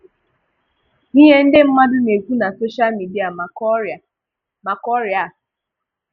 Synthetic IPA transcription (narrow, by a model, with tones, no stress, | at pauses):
ni˦ɦe˦n̩˦dɪ˦m̩˦ma˦dʊ˦ne˨kʷu˦na˨so˦ʃa˦lmi˨di˦a˨ | ma˨kɔ˦ɾa˨